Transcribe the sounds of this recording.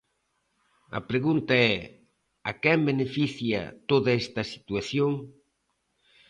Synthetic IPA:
ɐ̰pɾeɣunt̪aɛ | akɛmbenefiθjɐ̰t̪oðɐɛst̪ɐsi̥t̪uaθjoŋ

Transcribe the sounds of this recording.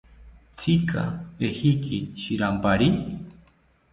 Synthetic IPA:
t͡sʰikʰa̰pexikiʃiɾampaɾi

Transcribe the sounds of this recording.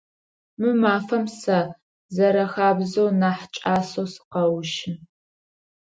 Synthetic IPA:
mɨmaːfɐmsɐ | zɐɾɐxaːbzownaːħt͡ʃʼaːsowsɨ̥qɐwʃɪ

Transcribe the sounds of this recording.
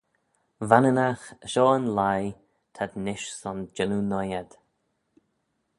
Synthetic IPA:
vanənaxəʃɔːənlaj | t̪ʰad̪nɪʃsɔnd͡ʒɛnunɔjad̪̥

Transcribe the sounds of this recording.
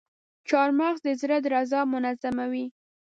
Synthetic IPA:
t͡ʃɑɾmɑɣzd̪əzɾad̪ɾazɑmʊnazamawi

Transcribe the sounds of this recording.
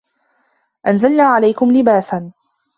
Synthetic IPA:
ʔanzalnaːʕalajkʊmlɪbaːsan

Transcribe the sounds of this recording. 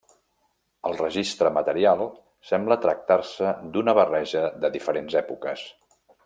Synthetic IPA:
əlˠrəʒist̪ɾəmət̪əɾialˠ | sɛmblət̪ɾək̚t̪arsəd̪unəβərɛʒəðəðifəɾenzɛpukəs

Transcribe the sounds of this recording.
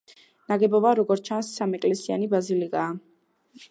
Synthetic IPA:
naɡɛbɔbaɾɔɡɔɾt͡ʃʰansːamɛkʼlɛsia̰nibazilikʼaː

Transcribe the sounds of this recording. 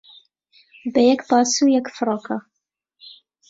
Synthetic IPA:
bɛjɛkbɑːsujɛkfɾoːkʰa

